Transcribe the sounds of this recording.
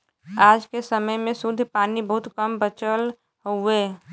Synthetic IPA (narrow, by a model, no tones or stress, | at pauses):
aːd͡ʒkesəməjmẽsʊd̪ʱːpaːnibəɦʊt̪kəmbət͡ʃəl | ɦoueː